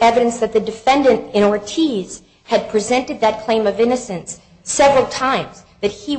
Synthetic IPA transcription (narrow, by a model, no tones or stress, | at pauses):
ɛvɨɾɨ̃nsðɨt̪̚ðɨdɨfɛ̃ndɨ̃ntɨ̃nɔɹtʰiz̥ | ɨd̚pʰɹ̥izɛ̃ntɨd̪̚ðɨt̚kʰl̥ẽɪ̃mʌvɪ̃nɨsɨ̃ns | ɛvɹl̩ˠtʰãɪ̃mz̥ | ðɨt̚hi